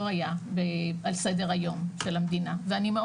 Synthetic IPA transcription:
ajabealsed̪eʁajo̞mʃe̞lamd̪inaveanime

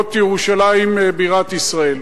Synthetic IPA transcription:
t̪jeʁuʃalaimebiʁat̪isʁael

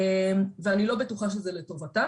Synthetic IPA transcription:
mveanilo̞betuχaʃezeleto̞vata

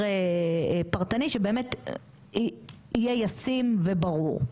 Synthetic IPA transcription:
e | paʁt̪aniʃebeːme̞t | i | ijejasimvebaʁuʁ

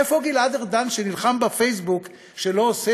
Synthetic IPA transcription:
efoɡiladeʁd̪anʃenilχambafejsbuk | ʃelo̞ose

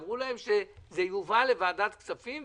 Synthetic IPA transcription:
vʁulae̞mʃezejuvale̞vaːd̪at̪kt͡safim

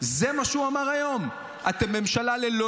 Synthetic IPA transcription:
zemaʃeuamaʁajo̞m | at̪emːemʃalalelo

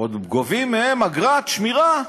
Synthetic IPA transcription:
od̪ɡovimːeemaɡʁat̪ʃmiʁa

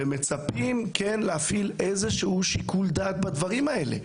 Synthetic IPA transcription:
eme̞t͡sapimkenlehafilejzeʃuuʃikuld̪aːk̚bad̪vaʁimae̞lḛ

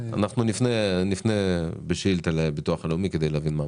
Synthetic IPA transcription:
a̰naχnunifnenifnebeʃilt̪alebit̪uaχaleumiked̪ejleavinma

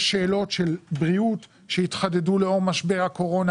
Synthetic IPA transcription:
ʃeːlo̞tʃelbʁiut | ʃeitχadeduleo̞ʁmaʃbeʁhako̞ʁo̞na

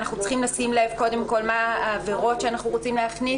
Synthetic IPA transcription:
naχnut͡sχimlasimle̞vko̞de̞mko̞lmaːveʁo̞tʃeanaχnuʁo̞t͡simleɦaχni

